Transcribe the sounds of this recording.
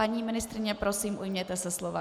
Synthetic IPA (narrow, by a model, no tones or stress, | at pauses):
aɲiːmɪnɪst̪ɾɪɲɛpɾosiːmʔujmɲɛt̪ɛsɛslova